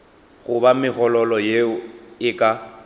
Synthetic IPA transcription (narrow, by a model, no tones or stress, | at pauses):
ɣʊbamɪɣɔlɔlɔjeʊɪkʼa